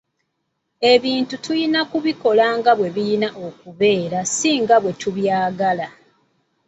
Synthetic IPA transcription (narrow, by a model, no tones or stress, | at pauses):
e̞βiːntutujinakuβiko̞laːŋɡaβwe̞βijinaʔokuβe̞ːɾasiːŋɡaβwe̞tuβjaːɡala